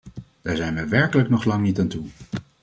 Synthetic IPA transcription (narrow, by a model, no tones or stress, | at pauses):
d̥aːɹzɛjnʋəʋɛɹkələknɔχlɑŋnitaːntu